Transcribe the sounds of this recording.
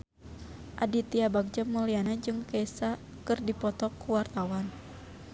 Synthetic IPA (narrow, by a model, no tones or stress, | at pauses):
ʔadit̪iabaɡ̚d͡ʒamulianad͡ʒɨŋkɛsa | kɨrdipɔt̪ɔkːuwart̪awan